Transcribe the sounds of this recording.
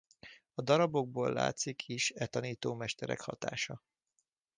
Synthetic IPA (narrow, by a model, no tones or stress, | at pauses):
ɒd̪ɒɾɒbo̞ɡ̚boːlːa̰ːt̪sikʰiʃɛt̪ɒniːt̪oːmɛʃt̪ɛɾɛ̰khɒt̪a̰ːʃɒ